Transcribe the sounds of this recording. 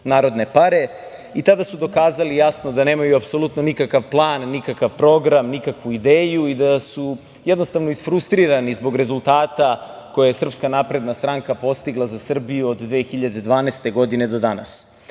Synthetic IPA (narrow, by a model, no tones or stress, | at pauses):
naːɾo̞d̪ne̞paɾe̞ | it̪ad̪asud̪o̞kaːzalijasno̞d̪ane̞ːmajuapso̞lˠut̪no̞nikakaʋplˠaːnːikakaʋpɾo̞ɡɾamnikakʋuid̪eːjuid̪asu | jed̪no̞st̪aʋnoisfɾust̪ɾiɾanizbo̞ɡɾe̞zulˠt̪aːt̪a | ko̞jajesr̩pskanapɾe̞d̪nast̪ɾaŋkapo̞st̪iɡlˠazasr̩bijuod̪d̪ʋeːxiʎad̪e̞d̪ʋaːneːst̪e̞ɡo̞d̪ine̞d̪o̞d̪ana̰s